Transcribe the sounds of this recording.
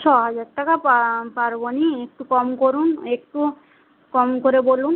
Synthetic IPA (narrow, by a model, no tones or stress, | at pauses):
t͡ʃʰɔɦad͡ʑaɾʈakapapaɾboniek̚ʈukɔmkoɾunek̚ʈu | kɔmkoɾebolun